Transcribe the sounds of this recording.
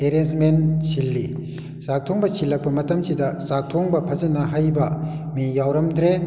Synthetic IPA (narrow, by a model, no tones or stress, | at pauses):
eɾensmensʰilːi | sak̚tʰoŋbɐt͡ʃʰilːɐk̚pɐmɐtɐmsidɐzak̚tʰoŋbɐpʰɐzɐnɐɦajbɐmijawɾɐmd̪ɾe